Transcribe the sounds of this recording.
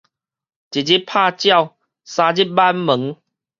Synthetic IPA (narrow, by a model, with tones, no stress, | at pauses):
t͡ɕi˨˩d͡ʑi˦pʰaː˥˧t͡ɕja˥˧˨w | sã˧d͡ʑi˦˥t̚ba˦nmə˨˦ŋ